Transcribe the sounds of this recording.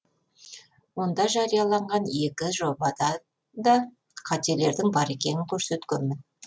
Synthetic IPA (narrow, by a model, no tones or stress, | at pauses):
wo̞nd̪ɑʒɑɾijɑlˠɑɴʁɑne̞kʲɪʒo̞bɑd̪ɑ | d̪ɑ | qʰɑt̪e̞le̞ɾd̪ɪŋbɑɾe̞kʲe̞nɪŋkʲʰɵɾse̞t̪kʲenmɪn